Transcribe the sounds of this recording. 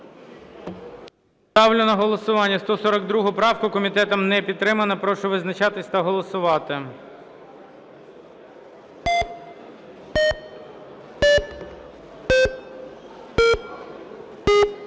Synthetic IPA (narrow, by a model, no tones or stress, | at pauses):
t̪ɑwlʲʊnɐɦɔlˠɔsʊʋɑnʲːɐst̪ɔsɔɾɐɡd̪ɾuɦʊpɾɑwkʊkɔmʲit̪ɛt̪ɐmnɛpʲid̪̚t̪ːɾɪmɐnɐpɾɔʃʊʋɪznɐt͡ʃɑt̪ɪsʲt̪ɐɦɔlˠɔsʊʋɑt̪ɪ